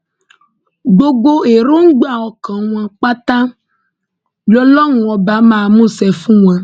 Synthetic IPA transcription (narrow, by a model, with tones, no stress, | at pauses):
ɡ͡bo˦ɡ͡bo˦e˨ɾo˦ŋ̩˦ɡ͡ba˨wɔ˨kã˨ŋũ˨˦ã˨k͡pa˦t̪ã˦ | bɔ˦lɔ˦ŋ˨ɔ̃˨ba˨˦mã˨mũ˦sɛ˨fũ˦ŋ˨ã˨